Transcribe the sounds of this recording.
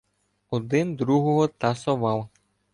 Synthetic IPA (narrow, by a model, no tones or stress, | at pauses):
ɔd̪ɪnd̪ɾuɦɔɦɔt̪ɐsɔʋɑwˠ